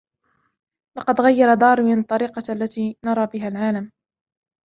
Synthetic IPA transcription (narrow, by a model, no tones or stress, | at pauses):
lɑqɑd̪ɣajːɑɾˤɑd̪ˤɑːɾˤmɪnt̪ˤːɑɾiːqɑʔalːat̪iːnɑɾˤɑːbɪɦalʕaːlam